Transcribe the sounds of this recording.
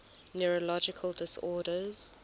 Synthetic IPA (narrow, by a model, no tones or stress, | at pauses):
nɛɹəlɔd͡ʒɪkʰəlˠdɪsɔːdəz̥